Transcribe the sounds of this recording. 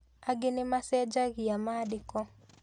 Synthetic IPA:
aɡɪnɪmasɛd͡ʒaɡɪjamadɪkɔ

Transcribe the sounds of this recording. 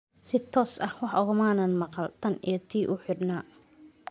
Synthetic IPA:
sɪt̪ʰɔːsʔɐhwɑħʊɣɐmaːnɐnmɑqɑlt̪ʰɐnḭjɞt̪ʰiːʔʊħʊd̪naː

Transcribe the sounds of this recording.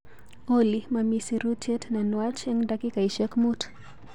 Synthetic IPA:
olimamisiɾutʰɛtnanwat͡ʃɛŋdakikaiʃɛkmut

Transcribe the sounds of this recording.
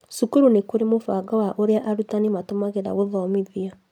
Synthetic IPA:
sukuɾunekoɾemofaːɡɔwaʔoɾeaʔaɾutanimatomaɣeɾa̰ɣoðɔmeðia

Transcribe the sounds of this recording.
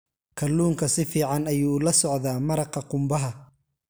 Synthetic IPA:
kʰɐlːuːŋkʰɐsɪfiːʕɑnɐjuːlɐsɔʕðaːmɐɾɑqɐqʊmbɐɦɐ

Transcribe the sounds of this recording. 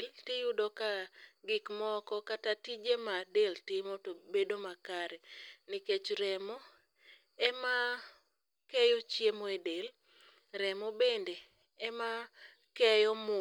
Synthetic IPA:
ltɪjʊdɔkaɡɪkmɔkɔkatatid͡ʒemadeltɪmɔtobedomakaɾɛniket͡ʃɾɛmɔ | ɛma | kɛjot͡ʃjemɔedel | ɾɛmɔbende | ɛma | kɛjɔmʊ

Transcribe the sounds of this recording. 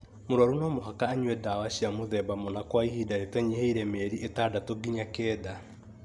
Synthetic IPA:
moɾaɾunɔmoɦakaːɲwɛdawaɕiamoðɛbamonakwaihiːdaɾetwɛɲeheiɾɛmɛːɾiʔetaːdatoɡiɲakɛːda

